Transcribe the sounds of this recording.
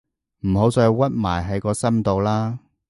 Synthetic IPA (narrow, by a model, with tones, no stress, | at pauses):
m̩˨˩ɦo˨˧˥wt͡sɔː˧jwɐ˥t̚maː˨˩jɦɐ˨˧jkɔː˧sɐ˥mt̪o˨wlaː˥